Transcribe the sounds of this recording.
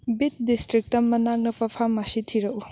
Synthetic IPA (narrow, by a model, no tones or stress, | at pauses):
bit̚distɾik̚tɐmɐnak̚nɐpʰɐpʰamasitʰiɾɐʔu